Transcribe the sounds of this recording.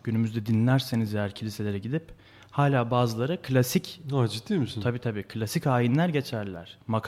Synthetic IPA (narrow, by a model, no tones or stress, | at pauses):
ɟ̥ynymyzd̪ɛd̪inʲlʲæɾsenizvejæɾcʰilʲise̞lʲe̞ɾɛɟid̪ip | haːlʲaːbaːzɯlˠaɾɯkʰlʲasicad͡ʒit̪ːimisint̪ʰabiːt̪ʰabiːkʰɯlʲasicaːjinlʲæɾɟe̞t͡ʃʰæɾlʲæ̰ɾ̥makʰ